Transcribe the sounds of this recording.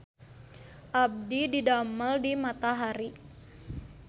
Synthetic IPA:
ʔab̚dididaməldimat̪aɦaɾi

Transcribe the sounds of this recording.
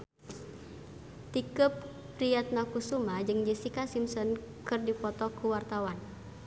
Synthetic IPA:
t̪ikəp̚ | pɾiat̪̚makusumad͡ʒɨŋd͡ʒisikasimsɔn | kɨrdipɔt̪ɔkuwart̪awan

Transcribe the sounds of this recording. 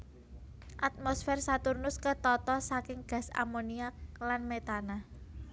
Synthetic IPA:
ʔat̪̚mɔsfɛrsat̪urnʊskət̪ɔt̪ɔsakɪŋɡ̥ä̤sa̰moniaklanmet̪ana

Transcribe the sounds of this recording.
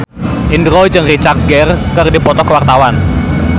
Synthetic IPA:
ʔindɾɔid͡ʒəŋrit͡ʃak̚ɡɛrkərdipɔt̪ɔkwart̪awan

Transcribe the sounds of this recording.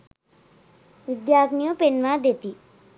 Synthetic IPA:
ʋɪd̪jaːknijõpenʋãd̪et̪iː

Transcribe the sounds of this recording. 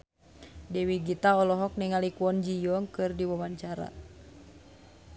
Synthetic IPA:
dɛwiɡit̪aɔlɔɦɔk̚niŋalikuɔnd͡ʒijɔŋkɨrdiwawaɲt͡ʃaɾa̰

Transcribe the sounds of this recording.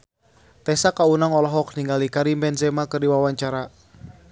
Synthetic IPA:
t̪ɛsakaunaŋɔlɔɦɔk̚niŋɡalikaɾimbɛnzɛmakərdiwawaɲt͡ʃaɾa

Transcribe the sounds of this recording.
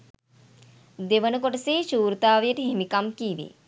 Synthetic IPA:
d̪eʋɐnukoʈɐseːʃuːɾt̪aːʋjɐʈ̪ɦemikɐmkiːʋḭ

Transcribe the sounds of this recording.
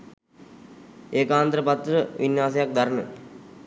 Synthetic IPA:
eːkaːnd̪ɾəpat̪ːɾəʋʔinjaːsejak̚d̪aɾənə̰

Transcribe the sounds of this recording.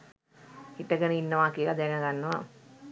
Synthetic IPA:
hiʈəɡənəinːəʋaːkiəlad̪ænaɡanːəʋa

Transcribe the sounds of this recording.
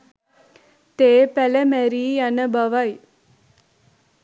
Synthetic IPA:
t̪eːpɛlɐmɛɾiːɐnɐbɐʋɐj

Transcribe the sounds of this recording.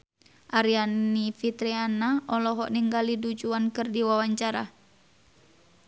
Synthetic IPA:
ʔaɾianifit̪ɾɛanaʔɔlɔɦɔʔniŋɡalidud͡ʒuankɨrdiwawaɲt͡ʃaɾa̰

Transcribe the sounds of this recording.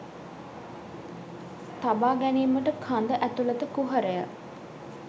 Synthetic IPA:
t̪abaːɡæniːməʈəkʰand̪əʔæt̪ulət̪əkuɦəɾəjə̰

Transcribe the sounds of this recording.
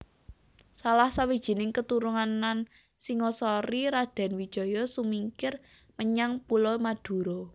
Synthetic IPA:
salahsawid̥ʒ̥i̤nɪŋkət̪uɾuŋanan | siŋɔsɔɾiɾad̪̥ɛ̤nwi̥ʒ̥ɔ̤jɔsumiŋkɪr | məɲaŋpulɔmad̪̥ṳɾɔ

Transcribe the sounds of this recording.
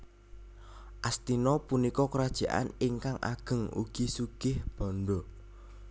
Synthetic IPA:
ʔast̪inɔpunikɔkəɾad̥ʒ̥a̤ʔa̰nɪŋkaŋʔa̰ɡ̥ə̤ŋṵɡ̥isuɡ̥ɪhb̥ɔ̤nɖɔ

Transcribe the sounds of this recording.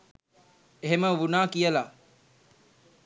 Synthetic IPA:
eɦeməʋunaːkijəla

